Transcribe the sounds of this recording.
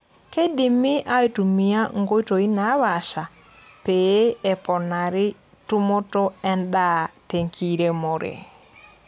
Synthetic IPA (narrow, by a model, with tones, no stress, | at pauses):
ke˦di˨mːi˦ʔa˦i˦tu˨mi˦a˦ŋɡo˦i˦to˨i˦na˨˦βa˨ʃa˨ | pe˨e˦e˨pɔ˨na˨ɾi˦ | tu˦mo˦to˦e˦nɗa˦te˨ŋkʰi˦ɾe˦mo˨ɾḛ˨